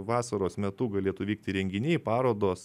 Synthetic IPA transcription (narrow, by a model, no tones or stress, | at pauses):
ʋɑːsɐɾoːsmʲɛt̪ʊɡɐlʲeːt̪ʊʋʲiːk̚t̪ʲɪɾʲɛŋʲɡʲɪnʲɛɪpɑːɾoːd̪oːs